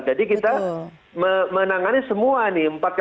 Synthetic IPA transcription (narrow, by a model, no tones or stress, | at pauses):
d͡ʒadikit̪a | məmənaŋanisəmuaniəmpat̪̚k